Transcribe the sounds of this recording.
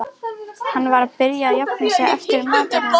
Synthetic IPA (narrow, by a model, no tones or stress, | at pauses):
ahanːvaɾaðpɪɾjaːðjap̚nɪsɛɣɛ̰ft̪ɪɾmaːt̪aɾna